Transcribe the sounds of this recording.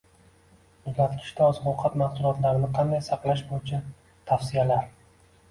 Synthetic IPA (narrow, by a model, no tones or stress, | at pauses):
ʊzlat̪kʲʰɪ̥ʃt̪ʰaɒzqɒwqʰɑt̪mɑqsʊlˠɒt̪laɾnɪqʰɑnd̪ajsɑqlˠaʃbojɪt͡ʃʰa | t̪ʰafsijalaɾ